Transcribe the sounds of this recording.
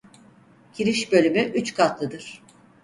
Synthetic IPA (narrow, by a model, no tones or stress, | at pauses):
cʰiɾiʃbø̞lʲymyʔyt͡ʃkʰat̪lˠɯd̪ɯɾ̥